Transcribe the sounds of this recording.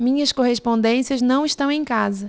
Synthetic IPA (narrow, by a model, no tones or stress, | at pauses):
mĩɲɐskoɦespõnd̪ẽsiɐznɐ̃w̃iʃt̪ɐ̃w̃ẽj̃kazɐ